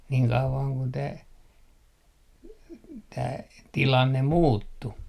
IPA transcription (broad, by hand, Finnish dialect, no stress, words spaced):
niːŋ kɑuʋɑŋ kun tæː tæː tilɑnːe muːtːu